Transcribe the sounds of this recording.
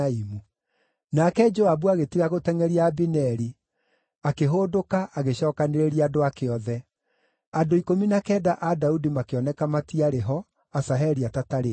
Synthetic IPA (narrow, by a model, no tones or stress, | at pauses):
imu | nakɛd͡ʒoabuaɣetiɾaɣotɛŋɛɾiaːbinɛɾi | akeɦoːdokaʔaɣeɕɔːkaneɾeɾiadoakeɔðɛ | adoikominakɛːdaʔadaudimakeɔnɛkamatiaɾeɦɔ | asaɦɛɾiatataɾe